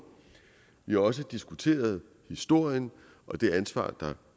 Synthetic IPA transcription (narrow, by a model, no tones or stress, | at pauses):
ʋihɑ̈ɒ̽s̬əd̥isɡ̥ut͡sʰe̝̰ːɐð̞ˠ | hisd̥o̝ɐ̰jən | ʔɒ̽d̥e̝ænsʋɑ̰̈ːd̥ɑ̈